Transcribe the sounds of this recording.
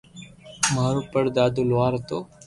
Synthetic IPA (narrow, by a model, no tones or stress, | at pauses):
maːɾupəɾd̪aːd̪ulʋaːɾt̪oː